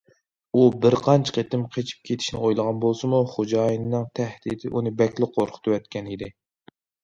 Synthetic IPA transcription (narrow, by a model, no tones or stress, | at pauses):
ubɪɾqʰɑnt͡ʃʰqʰet̪ɪmqʰet͡ʃʰi̥p̚kʲʰet̪ʰɪ̥ʃnɪojlˠəʁɑnbolˠsɨmuχod͡ʒɑːjinːɨŋt̪ʰɛhd̪̥ḭt̪ʰɪ̰ʔunɨbɛkʲlɪqʰoɾqʰʊ̥t̪ʰɨwɛt̪kʲɛnid̪ɪ